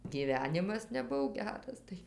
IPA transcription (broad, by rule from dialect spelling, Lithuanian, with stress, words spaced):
ɡʲiːˈʋʲæːnʲɪmɐs nʲɛˈbʊw ˈɡʲæːrɐs ˈtɐɪ